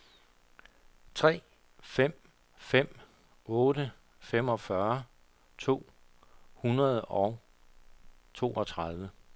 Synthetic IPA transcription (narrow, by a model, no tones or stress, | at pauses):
t͡sʰʁɛ̰ː | fem̰ | fem̰ | ɔ̽ːdə | fem̰ɒ̽fɶɐ | t͡sʰo̝̰ː | hunɐð̞ˠɒʊ | t͡sʰo̝̰ːɒ̽t͡sʰʁɑðˠʋə